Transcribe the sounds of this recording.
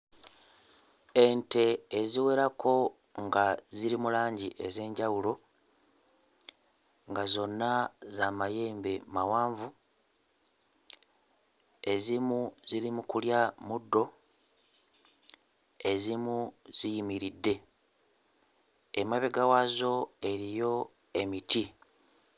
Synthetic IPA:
e̞nte̞ːziwe̞ɾakʰo̞ | ŋɡaziɾimulaːɲɟiʔe̞ze̞ːɲɟawulo̞ | ŋɡazo̞nːazamaje̞ːmbemawaːɱvu | e̞zimuziɾimukuljamudːo̞ | e̞zimuz̥ijimiɾidːe̞ | emaβeɡawazo̞e̞ɾijo̞ | e̞miti

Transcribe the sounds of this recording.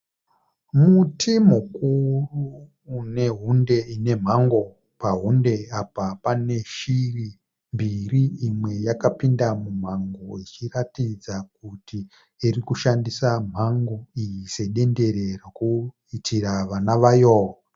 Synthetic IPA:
mutʰimukuruː | ne̞ɦunde̞ine̞m̤aŋɡo̞ | paɦunde̞apapane̞ʃiri | mbiriːmwe̞jakapindamum̤aŋɡoit͡ʃiratid͡zak̚uti | irikuʃandisam̤aŋɡoijise̞ɗe̞nde̞ɾe̞raku | itʰiraʋanaʋajoːa

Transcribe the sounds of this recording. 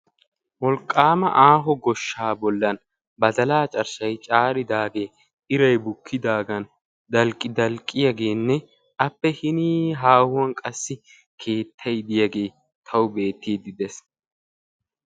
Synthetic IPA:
wɔlkʼːaːmɐʔaːɦɔɡɔʃːaːbɔlːɐn | bɐd̪ɐlaːt͡ʃʼɐɾsɐjt͡ʃʼaːɾɪd̪aːɡe̞ː | ɪɾɐjbʊkʰːɪd̪aːɡɐn | d̪ɐlkʼːɪd̪ɐlkʼːɪjaɡe̞ːnːɛ | ɐpːɛhɪniɦaːhʊwɐnkʼɐsːɪ | kʰe̞ːt̪ʰːɐjd̪ɪjɐɡe̞ː | t̪ʰɐwʊbe̞ːt̪ːiːd̪ɪd̪ɛs

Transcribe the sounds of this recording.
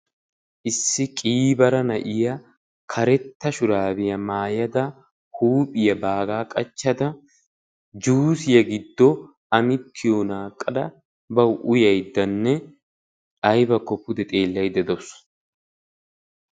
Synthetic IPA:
ʔɪsːɪkʼiːbɐɾɐnɐʔɪjɐ | kʰɐɾɛt̪ːɐʃʊɾaːbɪjɐmaːjɐd̪ɐ | huːpʼɪjɐbaːɡaːkʼɐt͡ʃːɐd̪ɐ | d͡ʒuːsɪjɐɡɪd̪ːɔ | ɐmɪt̪ʰːɪjɔnaːkʼːɐd̪ɐ | bɐwʔʊjɐjd̪ːɐnːɛ | ʔɐjbɐkːɔpːʊd̪ɛt̪ʼe̞ːlːɐjd̪ɛd̪ɔs

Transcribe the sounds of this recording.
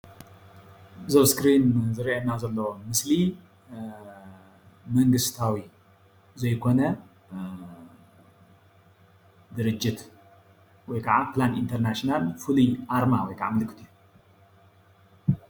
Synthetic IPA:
zɐwskɾinzɨɾiʔɐnazɐlːomɨsli | mɐŋɡɨst̪ʰawi | zɐjkʰo̞nɐ | d̪ɨɾɨd͡ʒːɪt̪ | wɔjkʰaʕaplanḭnt̪ʰɐɾnaʃnalfɨlujʔaɾmawɔjkʰaʕamɨlɨkʰʼːɨt̪ʰɨju

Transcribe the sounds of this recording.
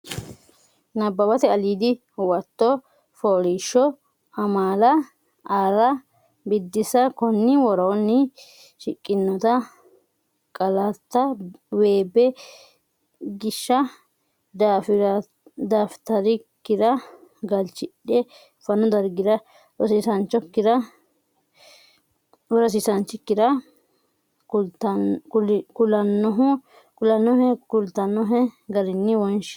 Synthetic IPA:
nɐbːɐbɐt̪ɛɐliːd̪ɪ | wɐt̪ːɔ | foːɾiːʃːɔ | ɐmaːlɐ | aːɾɐ | bɪd̪ːɪsɐkɔnːɪwɔɾɐɔnːɪ | ʃɪkʼːɪnːɔt̪ɐ | kʼɐlɐt̪ːɐweːbɛ | ɡɪʃːɐ | f | d̪aːft̪ɐɾɪkːɪd̪ɐɡɐlt͡ʃːɪɗɛ | fɐnɔd̪ɐɾɡɪd̪ɐ | ɔsiːsɐnt͡ʃːɔkːɪd̪ɐ | wɔɾɐs̬iːsɐnt͡ʃːɪkːɪd̪ɐ | ʊt̪ | kʊlɐnːɔɦʊ | kʊlɐnːɔhɛkʊlt̪ːɐnːɔɦɛɡɐɾɪnːɪwɔnʃ

